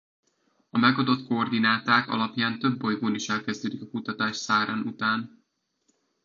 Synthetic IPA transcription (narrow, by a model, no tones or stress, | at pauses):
ɒmɛɡɒd̪ot̪koord̪inaːt̪aːkɒ̰lɒpjaːnt̪ø̞bːo̞jɡoːniʃɛlkɛzd̪øːd̪ikɒkut̪ɒt̪aːʃsaːɾanut̪aːn